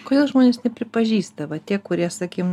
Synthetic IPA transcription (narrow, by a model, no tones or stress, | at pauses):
koːd̪eːlˠʒmoːnʲeːsnʲɛpʲɾʲɪpɐʒʲiːst̪ɐʋɐt̪ʲiɛkʊɾʲiɛsɐkʲiːm